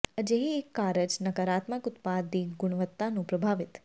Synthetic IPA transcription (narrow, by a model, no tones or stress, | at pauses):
əd͡ʒeɦiekːaɾəd͡ʒnəkəɾat̪məkʊt̪pad̪ːiɡʊɽ̃ʋət̪ːanũpɾəbʱaʋɪt̪